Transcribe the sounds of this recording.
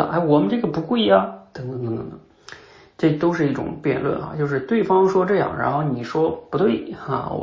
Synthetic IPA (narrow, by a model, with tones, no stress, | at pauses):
ʔa̰˥˩wɔ˨˩mə˦nʈ͡ʂɤ˥˩ɡə˩pu˧˥kwe˥˩ɐ˩t̪ɤ˧˥ŋt̪ŋt̪ɤ˧˥ŋt̪ə̰˧˥t̪ə˧˦ŋ | ʈ͡ʂɤ˥˩t̪o˥ʊʂ̬ɻ̩˥˧i˥˩ʈ͡ʂʊ̰˨˩˦ŋpjɛ̰˥˧nlwə̰˥˩nxa̰˧t͡ɕjo˥˧ʊʂ̬ɻ̩˥˧t̪we˥˩ɪfɑ˥ŋʂwɔ˥ʈ͡ʂɤ˥˧jɑ̰˥˩ŋɻa˧˥nxo˥˩ʊni˨˩ʂwɔ˥pu˧˥t̪we˥˩ɪa̰˩